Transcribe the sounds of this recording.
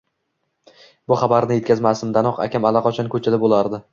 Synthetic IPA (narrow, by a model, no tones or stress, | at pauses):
bʊχɑbaɾnɪje̞t̪̚kʲazmasɪmd̪anɒqa̰kʲʰamalˠɑqɒt͡ʃʰankʰɵt͡ʃʰad̪abolˠaɾd̪ɪ